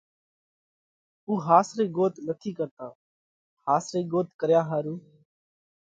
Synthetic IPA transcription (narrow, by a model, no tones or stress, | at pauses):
uːɦaːsɾeːɡoːt̪nət̪ʰiːkəɾt̪aː | haːsɾeːɡoːt̪̚kəɾjaːɦaːɾuː